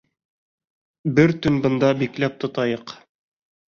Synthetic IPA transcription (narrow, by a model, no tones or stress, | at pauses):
bɘɾt̪ɵ̆nbɤ̆nd̪ɑbiklæp̚t̪ŏt̪ɑjɤq